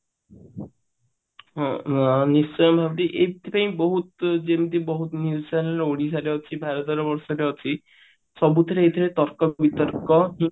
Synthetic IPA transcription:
ɦɔ̃nissɔjɔmbʱabʈ̪iʔebt̪ʰipaĩbɔɦut̪d͡ʒemd̪ibɔɦut̪nissajneɾoɽisaɾeɔt͡ʃʰibʱaɾɔt̪ɔɾbɔɾsɔɾeɔt͡ʃʰi | sɔbut̪ʰɔɾeet̪ʰiɾet̪ɔɾkɔbit̪ɔɾkɔɦi

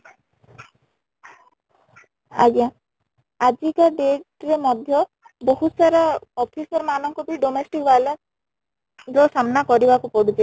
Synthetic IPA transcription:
a̰ɡja | ad͡ʒikaɖeʈɾemɔd̪ʱjɔ | boɦusaɾaɔpʰisɔɾmanɔŋkupiɖɔmesʈikbala | d͡ʒɔsamnakɔɾibakupɔɽut͡ʃe

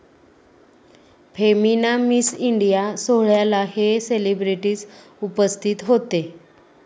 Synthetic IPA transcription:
fʰeminamisiɳɖijasoɦɭjalaheselibɾiʈiːd͡z | upəst̪ʰiːt̪ɦot̪e

